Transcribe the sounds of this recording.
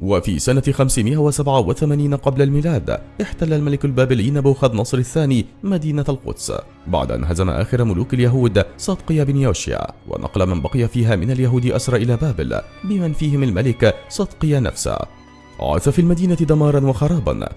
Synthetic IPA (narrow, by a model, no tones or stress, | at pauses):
wafḭːsanaxamsɪmɪʔawasabʕawaθamaːniːnaqɑblalmiːlaːd̪ʔɪħt̪alːalmalɪkalbaːbɪliːnabaːxad̪nɑsˤɾɪθːaːniːmad̪iːnaalqʊ̰d̪s | ba̰ʕd̪ʔa̰nɦazama̰ʔa̰ːxɪɾamʊluːkaljaɦuːd̪sˤɑd̪qɨjabɪnjoːʃja̰ːwa̰nʔɑ̰qlamanbɑqɨjafiːɦaːmɪnaljaɦuːd̪ɪʔasɾˤɑːʔɪlaːbaːbɪ̰lbɪmanfiːhɪmalmalɪksˤɑd̪qɨjana̰fsa̰ | ʕa̰θafiːlmad̪iːnat̪ɪd̪amɑːɾˤɑnwɑxɑɾˤɑːba̰n